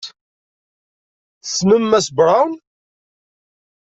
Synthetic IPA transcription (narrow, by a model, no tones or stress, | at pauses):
θsməmːæsbɾˤɑwn